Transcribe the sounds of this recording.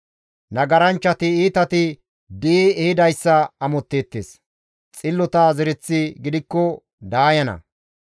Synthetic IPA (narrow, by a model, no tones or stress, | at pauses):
nɐɡɐɾɐnt͡ʃːɐt̪ɪiːt̪ɐt̪ɪ | d̪iɛhɪd̪ɐjsːɐɐmɔt̪ːeːt̪ːeːs | t͡sʼɪlːɔt̪ɐzɛɾɛt͡sːɪɡɪd̪ɪkːɔ | d̪aːjɐnɐ̰